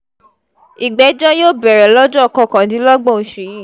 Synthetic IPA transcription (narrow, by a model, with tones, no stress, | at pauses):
i˨ɡ͡bɛ˨˦d͡ʒɔ˦joː˦˨bɛ˨ɾɛ˨lɔ˦d͡ʒɔ˦ɔ˨kɔ̃˧˨kã˨dĩ˨˦lɔ˦ɡ͡bɔ̃˦˨ʃi˨ji˦˨